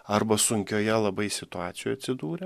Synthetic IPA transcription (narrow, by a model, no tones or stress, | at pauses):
ɐɾbɐsʊŋʲkʲoːjɛlˠɐbɐɪsʲɪt̪ʊɑːt̪sʲɪjoːjɐt̪ʲsʲɪd̪uːɾʲɛ